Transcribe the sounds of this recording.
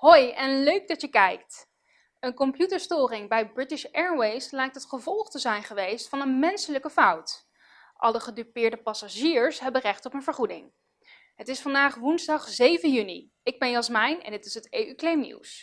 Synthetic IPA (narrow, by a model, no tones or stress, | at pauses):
ɦojɛnløɥɡ̚dɑtəkɛjkt | ənkɔmpjutəɹstʊːrɪŋbɛjbrɪtɪʃɛɹwejslɛjk̚tɦətχəvɔlˠχtəzɛjnχəʋejstfɑnənmɛnsələkəfʌwt | ʔɑ̰ləχədypɪːɹdəpɑsaʒiːɹsɦɛbərɛχtɔpənvəɹχudɪ̰ŋ | ɦətɪsfɑndaːχʋunzdɑχzejvənjynḭ | ɪɡ̚bɛnjɑsmɛjnɛ̰ndɪtɪsɦəteyklejmnḭws